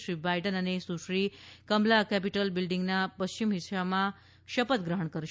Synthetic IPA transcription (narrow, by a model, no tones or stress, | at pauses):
ɾiːbajʈənanesuɕɾiːkəmlakɛpiʈəlbilɖiŋɡnapəɕt͡ɕimɦisama | ʃəpət̪ɡɾəɦəɳkəɾ